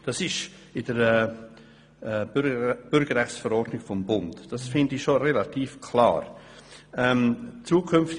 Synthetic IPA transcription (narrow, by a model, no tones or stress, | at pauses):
d̥ɑsɪʃ | ɪd̥əɾɛː | ɛb̥ʏɾɡ̥əɾɛχtsfəɾɔrd̥nɪɡ̥fɔmbʊntd̥ɑsfɪndɪʃoɾelatiːfkʰlɑ̰ːɾ | ɛmt͡suːəkʰʏmft